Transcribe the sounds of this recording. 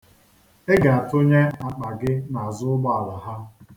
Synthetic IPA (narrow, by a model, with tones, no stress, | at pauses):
e˦ɡa˨a˨tʊ˦ɲe˦a˨k͡pa˨ɡɪ˦na˨a˨zʊ˦ɡ͡ba˦˨a˨la˨ɦa˦